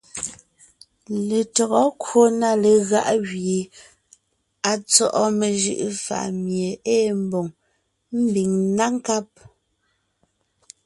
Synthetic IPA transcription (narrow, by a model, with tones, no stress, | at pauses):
le˨tɔ˨ɣɔ˦kwo˦na˦˨le˨ɣa̰˦ʔɣje˨ | a˨t͡sɔ˦ʔɔ˦me˨ʒɯ̰˨ʔfa̰˨ʔmje˨eː˦˨m̩˦bo˨ŋ | m̩˦bi˨ŋna˦ŋ˦ka˦p̚